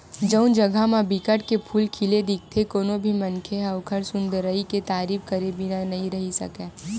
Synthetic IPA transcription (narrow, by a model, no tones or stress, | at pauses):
d͡ʒəʊnd͡ʒɐɡʱamãbɪkəʈkepʰuːlkʰiled̪ɪk̚ʰt̪ʰekoːnobʱimɐnkʰeɦɐʋkʰəɾsʊ̃nd̪əɾəiket̪aːɾiːfkɐɾebʱinnɐɦĩɾɐɦisɐ̰kẽː